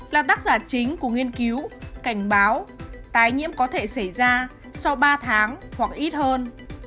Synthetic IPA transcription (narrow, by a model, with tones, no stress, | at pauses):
laː˨˩t̪aː˦˥k̚zaː˨˩t͡ɕï˨˦ŋ̟ku˧˩əŋi˧ənki˨˦wka˧˩jŋ̟ɓaː˨˦wt̪aː˨˦jŋḭ˧˥əmkɔ˨˦t̪ʰe˧˩sa˧˩jzaː˧ | sa˧wɓaː˧t̪ʰaː˨˦ŋhwa˨˩k̚ʔi˦˥t̚həː˧n